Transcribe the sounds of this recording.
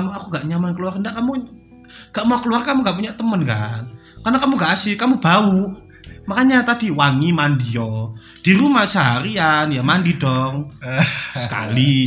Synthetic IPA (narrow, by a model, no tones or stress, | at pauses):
makuŋɡaʔɲamankəluarkəndaʔkamu | ŋɡ̥aʔmaakəluarkamuŋɡaʔp̬uɲaʔt̪əmənɡaʔ | karnakamuŋɡaʔasɪkamub̥au | makaɲat̪ad̥i̤waŋimandiɔ | d̥iɾumaht͡ʃaɦaɾianjamandid̥ɔŋ | sə̥ka̰li